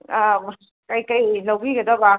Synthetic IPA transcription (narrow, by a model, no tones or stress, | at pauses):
kɐjkɐjlawbiɡɐdɐba